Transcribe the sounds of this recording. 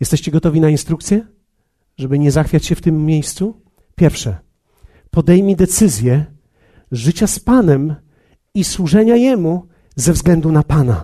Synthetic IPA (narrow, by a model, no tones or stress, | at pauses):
jɛst̪ɛɕt͡ɕɛɡɔt̪ɔvʲinainst̪ɾukt̪sʲjɛ | ʐɛbɘɲɛzaxfʲjat͡ɕɕɛft̪ɘmʲːjejst̪su | pʲjɛɾfʂɛ | pɔd̪ɛjmʲid̪ɛt̪sɘzʲjɛ | ʐɘt͡ɕaspanɛm | iswuʐɛɲajɛmu | zɛvzɡlɛnd̪unapana̰